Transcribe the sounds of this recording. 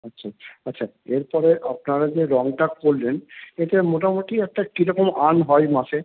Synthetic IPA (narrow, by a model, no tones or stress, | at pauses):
atːʃʰaatːɕʰa | eɾpɔɾeʔapnaɾad͡ʑeɾɔŋʈakolːeneʈemoʈamoʈiɛk̚ʈakiɾɔkomanɦɔemaʃe